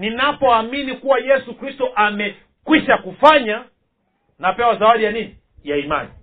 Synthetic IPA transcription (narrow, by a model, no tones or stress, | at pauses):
ninapɔaminikuwajɛsukɾistɔʔamɛ | kwiʃakufaɲa | napɛwazawaɗijanini | jaima̰ni